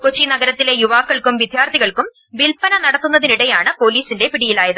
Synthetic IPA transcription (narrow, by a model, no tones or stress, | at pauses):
kot͡ɕːinɐɡɐɾɐt̪ːile̞juʋaːkːɐɭkumʋid̪ʱjaːrt̪iɣɐɭkum | ʋilpɐnɐnɐɽɐt̪ːunːɐðiniɽe̞jaːɳɨpo̞ːliːsinde̞piɽijilaːjɐðɨ